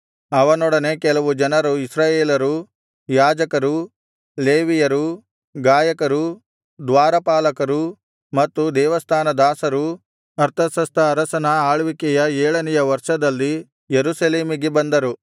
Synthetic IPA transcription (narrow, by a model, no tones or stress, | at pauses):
ɐʋɐnɔɽɐne̞kɛlɐʋud͡ʒɐnɐɾuisɾaːjeːlɐɾu | jaːd͡ʒɐkɐɾu | leːʋijɐɾu | ɡaːjɐkɐɾu | d̪ʋaːɾɐpaːlɐkɐɾu | mɐt̪ːud̪ɛːʋɐst̪ʰaːnɐd̪aːsɐɾu | ɐɾt̪ʰɐsɐst̪ʰɐːɾɐsɐnɐaːɭʋikɛjɐɛːɭɐnɛjɐʋɐɾʂɐd̪ɐlːi | jeɾusɐleːmiɡebɐnd̪ɐɾu